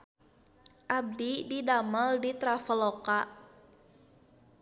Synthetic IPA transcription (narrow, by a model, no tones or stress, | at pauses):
ʔab̚dididaməldit̪ɾafəloka